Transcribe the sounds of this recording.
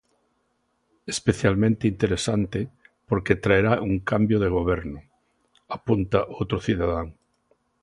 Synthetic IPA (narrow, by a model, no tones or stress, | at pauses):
espeθjalmẽnt̪eint̪eɾesant̪epoɾket̪ɾaeɾaʔuŋkambjoðeɣ̞oβ̞ɛɾnʊ | apunt̪aʔowt̪ɾoθiðaðaŋ